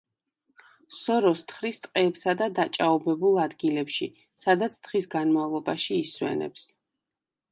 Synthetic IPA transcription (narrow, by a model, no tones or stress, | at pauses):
sɔɾɔst̪ʰχɾist̪ʼqʼɛːpsad̪ad̪at͡ʃʼaɔbɛbulˠad̪ɡilɛpʃi | sad̪at̪sʰt̪ʰχisɡanmavlˠɔbaʃiːswɛ̰nɛ̰ps